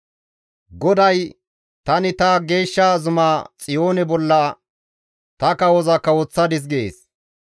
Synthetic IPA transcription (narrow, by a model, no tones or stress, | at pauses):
ɡɔd̪ɐj | t̪ɐnɪt̪ɐɡe̞ːʃːaːzʊmaːt͡sʼɪjo̞ːnɛbɔlːɐ | t̪ɐkɐwɔzɐkːɐwɔt͡sːɐd̪ɪs̬ɡɪḛːs